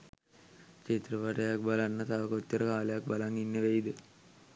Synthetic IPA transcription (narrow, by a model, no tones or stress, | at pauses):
ket̪rəʋaʈɐjak̚balanːət̪aʋəkot̪ːəɾəkaːlejak̚balaŋinːəʋeid̪ə